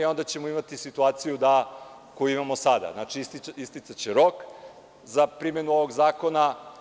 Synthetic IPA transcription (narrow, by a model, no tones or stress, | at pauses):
io̞nd̪at͡ɕe̞moimat̪isit̪uaːt̪sijud̪a | ko̞juimamosad̪a̰znat͡ʂiist̪iist̪it̪sat͡ɕeɾok | zapɾimenuo̞ʋo̞ɡzaːko̞na